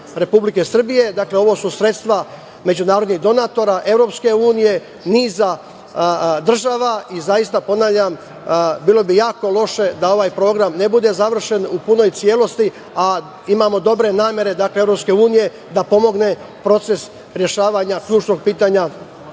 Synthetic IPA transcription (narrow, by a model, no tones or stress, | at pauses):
ɾe̞publike̞sr̩bije̞d̪akle̞o̞ʋo̞ːsusɾe̞t̪st̪ʋa | me̞d͡ʑunaːɾod̪niɦd̪o̞nat̪o̞ɾaʔe̞vɾo̞ːpske̞uːnije̞ | niːza | d̪r̩ʒaːʋaizajist̪apo̞naːʋlʎʲam | biːlˠo̞bijaːko̞lˠo̞ʃe̞d̪ao̞ʋaːjpɾo̞ːɡɾamne̞bud̪e̞zaʋr̩ʃe̞nupuno̞jt̪sje̞lo̞st̪i | a | imamo̞d̪o̞bɾe̞naːmje̞ɾe̞d̪akleevɾo̞pske̞uːnije̞ | d̪apo̞mo̞ɡne̞ | pɾo̞t̪se̞s | ɾje̞ʃaːʋaɲakʎuːt͡ʃno̞ɡ̚piːt̪aɲa